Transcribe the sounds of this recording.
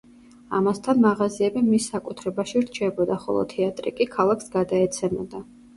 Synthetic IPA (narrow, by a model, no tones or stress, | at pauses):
a̰mast̪ʰanmaʁaziɛbimisːakʼut̪ʰɾɛbaʃiɾt͡ʃʰɛbɔd̪aχɔ̰lˠɔ̰t̪ʰɛat̪ʼɾḭkʼikʰalˠaksɡad̪aɛt̪sʰɛmɔd̪a